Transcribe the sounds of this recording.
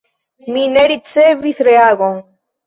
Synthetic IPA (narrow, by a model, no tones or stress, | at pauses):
mineɾit͡seviθɾeaɣoŋ